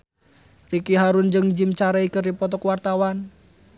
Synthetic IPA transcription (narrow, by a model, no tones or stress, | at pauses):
rikiɦaɾund͡ʒəŋd͡ʒimt͡ʃaɾɛikərdipɔt̪ɔkwart̪awan